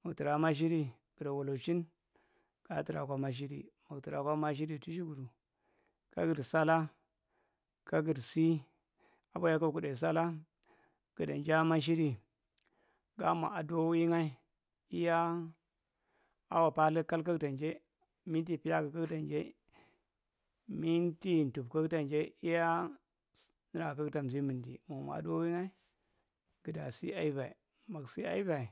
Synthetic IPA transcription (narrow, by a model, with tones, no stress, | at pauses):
ma˨kti˨ɾa˨˦ma˦ʃ̬i˦ɾi˨ | ɡ̥ə˨ɾa˨wa˨lo˨t͡ʃi˦n | ɡ̥a˨˦ti˨ɾa̰˨kʷa˦ma˦ʃ̬i˦ɾḭ˨ma˨kti˨ɾa˨kʷa˦ma˦ʃ̬i˦ɾi˦tu˦ʃ̬i˦ɡu˨ɾu˨ | ka̰˦ɡə˨ɾsa˦la˦ | ka˦ɡi˨ɾsi˦ | a˨ba˦ja˦ka˦ku˨da˨s̬a˦la˦ | ɡ̥ə˨da̰˨nd͡ʒa˦ma˦ʃ̬i˦ɾi˦ | ɡa˦ma̰˨a˨do˦wi˦ŋa˦i˦ | i˦ja˦ | a˦wa˨pa˦lə˦ka˦lka˦kta˨nd͡ʒe˦ | mi˦n˦ti˦pi˦ja˦ɡa˨ka˦kta˨nd͡ʒe˦ | mi˦nti˦n˨tu˨bka˦kta˨nd͡ʒe˦i˦ja˦ | n˦ɾa˨ka˦kta˨mzi˦mɨ˨ndḭ˨mo˨ma̰˨a̰˨do˦wi˦ŋa˦i˦ | ɡ̥ə˨da˨si˦a˦i˦va˨ḭ˨ | ma˨ksi˦a̰˦i˦va˨i˨